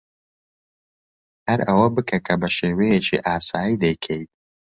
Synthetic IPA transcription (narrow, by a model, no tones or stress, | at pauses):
hɐɾʔɐwɐbɨkʰɐkʰɐbɐʃeːwejet͡ʃʰḭʔaːsaːjid̪ɐjkʰejt̪̚